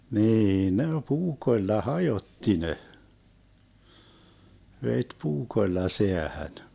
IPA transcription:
niː ne puːkoĭlːɑ hɑjotːi ne ʋet puːkoĭlːɑ seæhæn

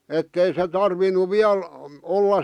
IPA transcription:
etːei se tɑrʋinu ʋiæl olːɑs

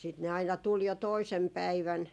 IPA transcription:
sit ne ɑinɑ tul jo toisem pæiʋæn

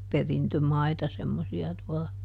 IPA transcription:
perintømɑitɑ semːosiɑ tuɔlɑ

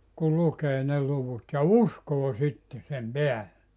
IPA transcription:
kul lukeː ne luʋut jɑ uskoː sitːe sem peælːe

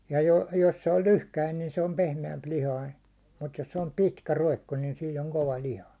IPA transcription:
jɑ jo jos se olʲ lyhkæin niːn se om pehmeæmplihɑin̞ mut jos se om pitkæ roikːo niːn siːn oŋ koʋɑ lihɑ

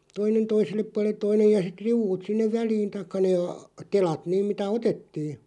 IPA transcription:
toinen toiselːep puɑlˑet̆ toinej jɑ sit riuʋ̆ut sinːeʋ ʋæliːn tɑĭkːɑ neː ɑ telɑt niˑm mitæ otetːiː

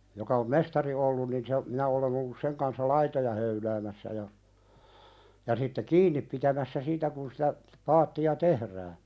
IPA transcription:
jokɑ om mestɑri olːun nin se minæ olen olːus seŋ kɑnsːɑ lɑitojɑ høylæːmæsːæ jɑ jɑ sitːe kiːnːip̆ pitæmæsːæ siːtæ kun sitæ pɑːtːiɑ tehræː

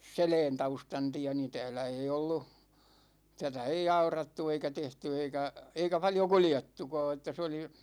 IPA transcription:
selɛːntɑustɑn tiæ ni tæ̝ːlæ ei olːu tætæ ei ɑurɑtːu eikæ tehty eikæ eikæ pɑljo kuljetːukɑː etːæ se oli

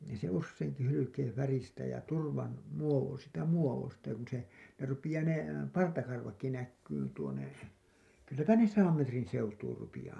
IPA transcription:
niː se usːeiŋki hylykeːẽ færistæ jɑ turʋɑn muoʋo siːtæ muoʋostɑ jɑ kun se ne rupij̆ɑː ne pɑrtɑkɑrʋɑkːi nækːyːn tuone kylːæpæ ne sɑːm metrin̞ seutuːr rupijɑː

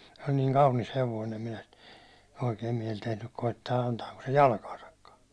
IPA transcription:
se olʲ niːŋ kɑunis heʋoin̞ em minæ sit oikeim miɛl tehnyk koitːɑː ɑntɑːko se jɑlkɑːsɑkːɑː

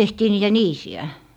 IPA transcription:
tehtiː niːtæ niːsiæ

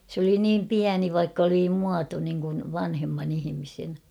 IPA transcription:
s oli niːm piæni ʋɑikː oli muɑto niŋkun ʋɑnhemːɑn ihimisen

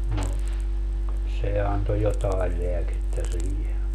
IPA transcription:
no se ɑnto jotɑe leæketːæ siːhe

